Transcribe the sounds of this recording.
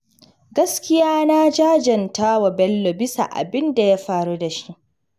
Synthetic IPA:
ɡɐ˦skʲɪ˦jaː˦na˦d͡ʒaː˦d͡ʒɐ˨ntaː˦wa˨bɛ˦lːo˨bɪ˦sa̰˨ʔa̰˨bɪ˦nda˨ja˦ɸaː˨ɾu˦da˨ʃi˦ʔ

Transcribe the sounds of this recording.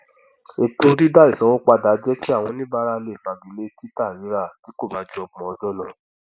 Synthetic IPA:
e˨tũ˧˦ɾi˦da˦i˦˨sã˨˦õ˦k͡pa˧da˨˦d͡ʒɛ˦ki˦a˦˨w̃ɔ̃˧nĩ˦ba˧ɾa˧le˨fa˨ɡi˨le˦ti˦ta˦˨ɾĩ˨˦ɾa˦˨ti˨˦ko˦˨ba˨˦d͡ʒu˦ɔ˧ɡ͡bɔ̃˨ɔ˧d͡ʒɔ˦lɔ̃˨

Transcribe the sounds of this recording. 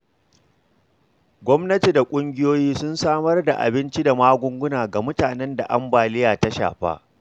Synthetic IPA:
ɡʷɔ˦mnɐ˦ti˨da˨kʷʼʊ˦ŋɡʲɪ˦joː˦jiː˦sʊ˦nsaː˦mɐ˦rda̰˨ʔa̰˨bɪ˦nt͡ʃi˦da˨maː˦ɡʷʊ˦ŋɡʷʊ˦naː˨ɡa˨mʊ˦taː˨nɛ˦nda˨ʔa˦mbaː˨lɪ˦jaː˨ta˦ʃa̰ː˨ɸa̰ː˦ʔ

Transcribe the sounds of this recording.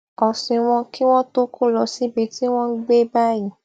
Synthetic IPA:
ɔ˨sĩ˨w̃ɔ̃˧ki˦w̃ɔ̃˦to˦kʰo˦˨lɔ˧si˦be˦ti˦w̃ɔ̃˦ɡ͡be˦ba˦jĩ˨

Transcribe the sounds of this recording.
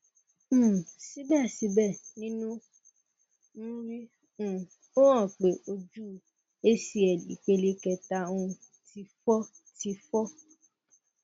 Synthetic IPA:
si˨˦bɛ˦˨si˨˦bɛ˦˨nĩ˦nũ˦ | ñ̩˦ɾĩ˦˨ | o˦ã˦˨k͡pe˨ʔo˧d͡ʒu˦˨ | e˦si˧˦ɛ˨lḭ˨˦k͡pe˧le˧kɛ˧ta˧ũ˧ | ti˧fɔ˦ | ti˧fɔ˦

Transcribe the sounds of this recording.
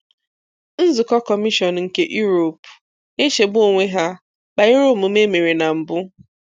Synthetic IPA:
n̩˦zʊ˨kɔ˦kɔ˨mi˦ʃɔ˨n˨ŋ̩˨ke˦ʔju˦ɾo˨p | e˦ʃe˨bʊ˦o˨ŋʷe˦ɦa˦ | k͡pa˨ɪ˦ɾʊ˦˨mʊ˨me˦me˨ɾi˨na˨m̩˨bʊ˦

